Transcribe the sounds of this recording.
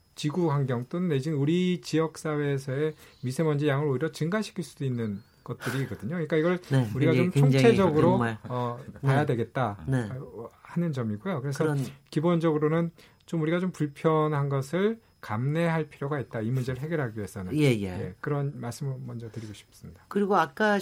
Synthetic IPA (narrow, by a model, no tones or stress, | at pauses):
t͡ɕiɡuɦaŋɡjʌŋt͈onɯnːed͡ʑiɯnuɾit͡ɕijʌk̚s͈awe̞ːsʰʌe̞ | misʰe̞mʌnd͡ʑejaŋɯɾoiɾʌt͡ɕɯŋɡaɕʰi̥kʰiɭs͈ud̥oinːɯn | ɡ̥ʌt̚t͈ɯɾiɡʌdɯɲouɲik͈aiɡʌɭnuɾiɡat͡ɕomt͡ɕʰot͡ɕʰe̞d͡ʑʌɡɯɾoʌpajadwe̞ɡe̞t̚t͈anehanɯnd͡ʑʌmiɡujokɯɾe̞sʰʌkibond͡ʑʌɡɯɾonɯn | t͡ɕomuɾiɡat͡ɕompuɭpʰjʌnɦanɡʌsʰɯɭ | kamne̞ɦaɭpʰiɾjoɡait̚t͈aimund͡ʑe̞ɾɯɭɦe̞ɡjʌɾɦaɡiɦe̞sʰʌnɯ̰nnjej̰je̞̰kɯɾʌnmaɭs͈ɯmɯɾomʌnd͡ʑʌtɯɾiɡoɕʰi̥p̚s͈ɯmɲidakɯɾiɡoak͈a